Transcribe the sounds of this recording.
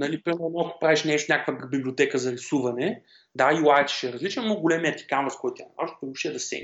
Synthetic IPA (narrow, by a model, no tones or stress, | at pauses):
nɐlipɾimɛɾnoɐko̥pɾaviʃnʲɛʃt̪nʲakəkvəkbibliot̪ɛkəzɐɾisuvɐnɛ | d̪aiwˠat͡ʃ̪i̥ʃɛɾɐzlit͡ʃnonoɡʊlʲɛmijət̪i̥kanvəskɔjt̪t̪ʲjanmɔʒt̪omuʃiɛd̪ɐsɛ̰